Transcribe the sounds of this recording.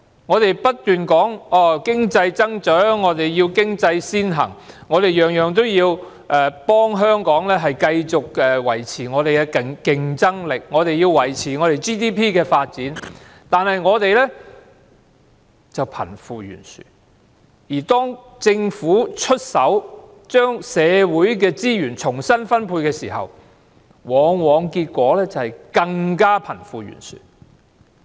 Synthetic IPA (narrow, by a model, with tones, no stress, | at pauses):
ŋɔː˨˧t̪e˨jpɐ˥t̚t̪ːyː˨nkɔː˨˥ŋɔː˨˧˩kɪ˥ŋt͡sɐ˧jt͡sɐ˥ŋt͡ʃœː˨˥ŋːɔː˨˧t̪e˨jjiː˧wkɪ˥ŋt͡sɐ˧jsiː˥nɦɐ̰˨˩ŋː | ɔː˨˧t̪e˨jjœː˨˩ŋjœː˨ŋt̪o˥wjiː˧w | ʔɛː˨˩pɔː˥ŋɦœː˥ŋkɔː˨˥ŋlɛː˥ɦɐ˨jkɐ˧jt͡sʊ˨k̚ɛː˨wɐ̰˨˩jt͡sʰiː˨˩ŋɔː˨˧t̪e˨jkɛ˧kɪ˨ŋkɪ˨˩ŋt͡sɐ˥ŋlɪ˨k̚ŋɔː˨˧t̪e˨jiː˧wwɐ˨˩jt͡sʰiː˨˩ŋɔː˨˧ɾe˨jt͡ʃiː˥t̪iː˥pʰiː˥kɛː˧faː˧t̚t͡siː˨˥n | t̪aː˨nhɐ˨jŋɔː˨˧t̪e˨jlɛː˥ | t͡sɐ˨wpʰɐ̰˨˩nfuː˨˧jy̰ː˨˩nsy̰ː˨˩ | jiː˨˩t̪ɔː˥ŋ | t͡sɪ˧ŋfuː˨˥t͡ʃʰɵ˥t̚sɐ˨˥w | t͡ʃœː˥ŋsɛː˨˧wuː˨˥jk̬ɛː˧t͡siː˥jyː˨˩nt͡ʃʰʊ˨˩ŋsɐ˥nfɐ˥npʰuː˧jkɛː˧siː˨˩hɐ̰˨w | wɔː˨˧˥ŋwɔː˨˧ŋkiː˧t̚kʷɔː˨˥lɛː˥t͡sɐ˨whɐ˨jkɐ˧ŋkaː˥pʰɐ˨˩nfuː˨˧jy̰ː˨˩nsy̰˨